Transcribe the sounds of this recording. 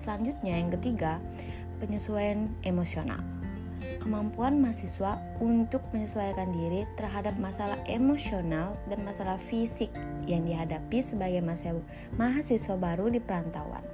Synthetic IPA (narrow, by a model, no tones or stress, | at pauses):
səlaɲd͡ʒut̪̚ɲajaŋkət̪iɡa | pəɲəsuajanʔemosiona̰l | kəmampuanmaɦasiswa | unt̪ʊk̚məɲəsuajkandiɾit̪ərɦadap̚masalahʔemosionaldanmasalahfisɪk̚jaŋdiɦadapisəbaɡajma | maɦasisuabaɾudipəɾant̪a̰wa̰n